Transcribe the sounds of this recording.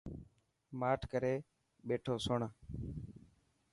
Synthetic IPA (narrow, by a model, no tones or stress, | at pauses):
maːʈʰkəɾeː | ɓeːʈʰoːsʊɳ